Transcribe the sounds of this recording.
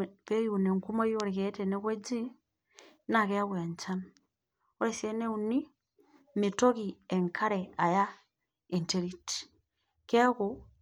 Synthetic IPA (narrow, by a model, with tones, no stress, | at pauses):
pɛ˦ju˨nɛ˨ŋku˦ma˦i˦o˦˨ɾi˨kɛ˨˦tɛnɛ˦kwɛ˦d͡ʒi˦ | na˨kɛ˦a˦kwa˨ɲt͡ʃa˦na | ɔ˦ɾɛ˨sɛ˦ne˦u˨ni˦ | mi˨to˦ki˨ɛ˨ŋkʰa˦ɾɛa˨ja˦ | e˨nte˨ɾi˦ti̥ | kɛ˦a˦ku˨